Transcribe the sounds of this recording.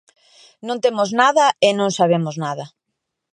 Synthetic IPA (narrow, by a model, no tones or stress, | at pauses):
nõnt̪emʊznaðɐɪnõŋsaβ̞emʊznaðɐ